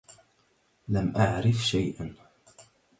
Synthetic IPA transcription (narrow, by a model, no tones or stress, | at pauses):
lamʔaʕɾɪfʃajʔan